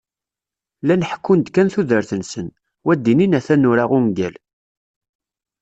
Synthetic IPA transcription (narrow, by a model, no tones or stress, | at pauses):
lænəħkːʊnd̪kːænθuðəɾθənsən | wæd̪ːininæθænːuɾaʁʊŋɡæ̰l